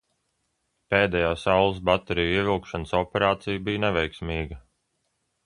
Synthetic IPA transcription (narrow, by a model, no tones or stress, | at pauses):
peːd̪ɛjaːsawlˠs̬bat̪ɛɾijiɛvilˠkʃanəsɔpʲɛɾaːt̪sijbijnɛvʲɛjksmʲiːɡɐ